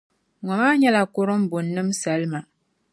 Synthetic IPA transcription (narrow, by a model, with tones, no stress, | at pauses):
ŋɔ˨maː˦ɲɛ˦la˨kʊ˦ɾɨ˦m̩˦bʊ˨nːɨ˦msa˨lma˨